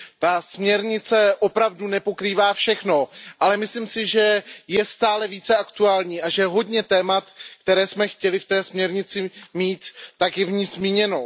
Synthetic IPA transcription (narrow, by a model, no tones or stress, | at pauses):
t̪asmɲɛɾɲɪt͡sɛʔo̞pɾavdunɛpo̞kɾiːvaːfʃɛxno̞ʔalɛmɪsliːmsɪʒɛjɛst̪aːlɛviːt͡sɛʔakt̪uaːlɲiːʔaʒɛɦo̞dɲɛt̪ɛːmat̪kt̪ɛɾɛːsmɛxcɛlɪft̪ɛːsmɲɛɾɲɪt͡sɪmiːt̪ːakjɛvɲiːzmiːɲɛno